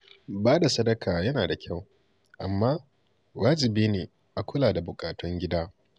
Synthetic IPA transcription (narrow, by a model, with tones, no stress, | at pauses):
baː˦da˨sɐ˦dɐ˦kʰaː˨jɐ˦naː˨da˨kʲʰa˦˨w | ʔa̰˨mːaː˦ | waː˦d͡ʒɪ˨biː˦neː˨ | ʔa˨kʷʰʊ˦laː˨da˨bʊ˨kʼaː˨tɔ˦ŋɡʲɪ˦daː˦